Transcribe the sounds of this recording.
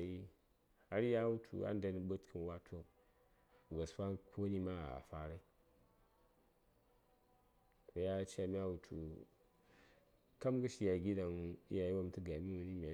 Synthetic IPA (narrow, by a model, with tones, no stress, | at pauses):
ji˦ | a˦ɾi˦ja˦wu˦tʰṵ˨a̰˦n˦da˦ni˨ɓo˦tkʰɨ˨n˨wa˦tʰo˦˨ | ɡo˨sfa˦kʰo˦ni˦ma˦a˨a̰˨fa˦ɾe˦ | a˨˦ja˦t͡ʃa˨mʲ˦a˦wu˨tʰṵ˨ | ka˦mɡə˦ʃi˦ja˨ɡi˦da˨ŋ˦a˨jwo˦m˨tə˦ɡa˨mi˦wu˨ni˦mʲ˨a˨